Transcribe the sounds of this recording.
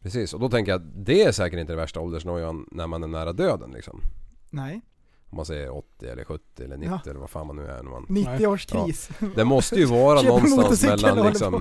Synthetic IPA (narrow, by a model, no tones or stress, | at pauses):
pʰɾɛsiːsɔd̪ɔt̪ʰɛŋkəjad̪ɛæɾʂɛːkəʈɪnt̪əd̪ɛvæʂʈaɔld̪əʂnɔjannːæɾmanæɳæːɾad̪øːd̪ənlɪ̰ksɔ̰m | ɔmansɛjːəɾɔt̪ːɪɛ̰lːə̰ɾɧɵt̪ːɪɛlːəɳɪːɪɛlːəva̰ɾfa̰ːnmanːʉ̟ːæ̰nɛma̰nnɪt̪ːɪoːʂkʰɾ̰ːsd̪ɛmɔst̪əjɵvɑːɾanɔnst̪asmɛlːanlɪk̪sɔɔm